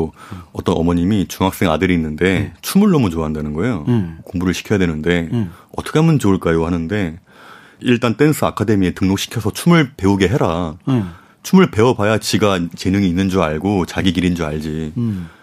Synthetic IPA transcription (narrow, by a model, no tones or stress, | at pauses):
oʌt͈ʌnʌ̰mʌɲimit͡ɕuŋɦak̚s͈eŋadɯɾiːnːɯnde̞t͡ɕʰumuɭːʌmut͡ɕoaɦandanɯnɡʌejokoŋbuɾɯɭɕʰi̥kʰjʌjadwe̞nɯnde̞ʌtʰʌ̥kʰeamɯnt͡ɕoɯɭk͈aiɡohanɯnde̞ | iɭt͈ant͈e̞nsʰɯakʰade̞mietɯŋnok̚ɕʰi̥kʰjʌsʰʌt͡ɕʰumɯɭpe̞uɡe̞ɦeɾa | t͡ɕʰumɯɭpe̞ʌbajat͡ɕiɡat͡ɕe̞nɯŋiːnːɯnd͡ʑuaɭɡot͡ɕaɡik̬iɾind͡ʑuaɭd͡ʑi